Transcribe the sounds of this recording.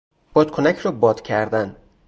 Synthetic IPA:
b̥ɒːd̪̥kʰonæcʰɾɒːbɒːd̪̥cʰæɾd̪æn

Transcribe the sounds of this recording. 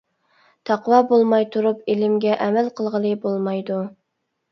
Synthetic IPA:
t̪ʰɑqwɑːbolˠmɑjt̪ʰuɾupelɪmɡʲɛʔɛmɛlqʰəlˠʁəlˠɨbolˠmɑjd̪u

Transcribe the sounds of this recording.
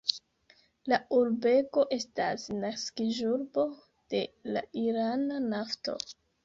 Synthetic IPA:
lauɾbe̞ko̞ʔe̞stasnaskiʒuɾbo̞ | d̥e̞la̰iɾananafto̞̰

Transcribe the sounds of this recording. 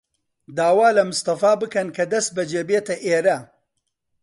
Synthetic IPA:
d̪aːwaːlɐmʊst̪ɐfaːbɨkɐnkʰɐd̪ɐst̪̚bɐd͡ʒeːbeːt̪ɐʔeːɾɐ

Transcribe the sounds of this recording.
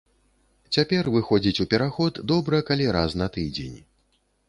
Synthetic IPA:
t͡sʲapʲɛrvɨxɔd͡zʲit͡sʲupʲɛɾaxɔd̪d̪ɔbɾɐkalʲiɾaznɐt̪ɨd͡zʲḛnʲ

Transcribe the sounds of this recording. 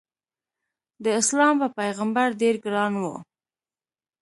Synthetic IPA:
d̪əɪslɑmpəpajɣambaɾɖeɾɡɾɑnwṵ

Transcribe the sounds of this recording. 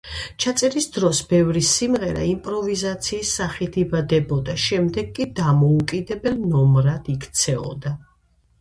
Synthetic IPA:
t͡ʃʰat̪sʼɛɾisd̪ɾɔsbɛvɾisimʁɛɾa̰impʼɾɔvizat̪sʰiːsːaχit̪ʰibad̪ɛbɔd̪aʃɛmd̪ɛɡkʼid̪amɔukʼid̪ɛbɛlnɔmɾad̪̥ikʰt̪sʰɛɔ̰d̪a

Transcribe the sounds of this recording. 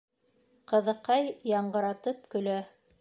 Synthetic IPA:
qɤ̆ðɤ̆qɑjːɑɴɢɤ̆ɾɑt̪ɤp̚kɵ̆læ

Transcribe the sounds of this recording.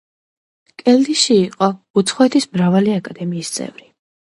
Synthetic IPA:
kʼɛld̪iʃiːqʼɔut̪sʰχɔɛt̪ʰismɾavaliakʼad̪ɛmiːst̪sʼɛ̰vɾi

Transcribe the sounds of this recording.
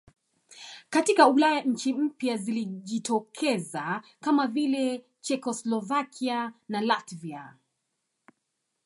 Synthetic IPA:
katikaulajaɲ̩t͡ʃim̩pjaziliʄitʰɔkʰɛzakamavilɛ | t͡ʃɛkɔslɔvakʰianalatvia

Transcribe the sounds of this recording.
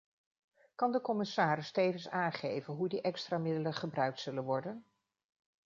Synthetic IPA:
kɑndəkɔmɪsaːɾɪstejvənsaːnχejvənɦudiʔɛkstraːmɪdələnχəbrœɥk̚tsɵlənʋɔɹdən

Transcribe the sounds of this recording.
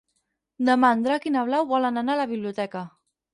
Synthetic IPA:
d̪əmand̪ɾakinaβ̞lawβɔlənanaləβiβliut̪ɛkə

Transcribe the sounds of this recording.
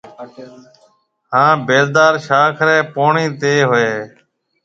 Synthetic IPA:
ɦãːbeːɾd̪aːɾʃaːkʰɾɛːpoːɳiːt̪eːɦoeː

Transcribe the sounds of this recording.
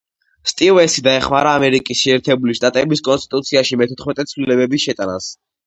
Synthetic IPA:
st̪ʼivɛsid̪aɛχmaɾaːmɛɾikʼisʃɛːɾt̪ʰɛbuliʃt̪ʼat̪ʼɛbiskʼɔnst̪ʼit̪ʼut̪sʰiaʃimɛt̪ʰɔt̪χmɛt̪ʼɛt̪sʰvlilɛbɛbiʃɛt̪ʼana̰s

